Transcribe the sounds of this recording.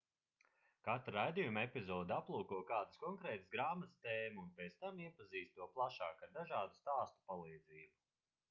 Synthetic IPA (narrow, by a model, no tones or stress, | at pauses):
kat̪ɾɾajd̪ijumepʲizɔːd̪aplˠuːkuɔkaːd̪ɨskɔŋkɾɛːt̪sɡɾaːmat̪st̪eːmuːnpɛt̪st̪amiɛpaziːst̪t̪uɔplˠaʃaːkad̪aʒaːd̪ust̪aːst̪u̥palˠiːd̪ziːbu